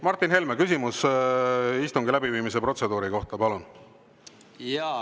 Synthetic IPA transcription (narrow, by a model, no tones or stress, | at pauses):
mɑrt̪ːˑinhe̞lmekys̬ʲimus | ist̪uŋɡilæbiviːmis̬e̞pro̞t̪se̞d̪uːɾiko̞ht̪ɑpɑlun | j